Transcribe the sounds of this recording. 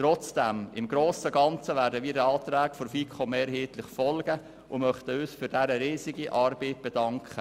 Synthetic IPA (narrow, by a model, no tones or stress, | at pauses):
tɾɔt͡sd̥æmɪmɡɾoːsəɡɑnt͡səʋæːɾdəʋiːdəɑːt̪ɾæːkfɔɾfiːkʰɔmɛːɾɦiːt̪lɪχfɔlɡ̥ə | ʊmœχt̪əøːsfʏɾdæɾəɾiːziɡiʔɑɾbiːt̚b̥ɛd̥ɑŋkχə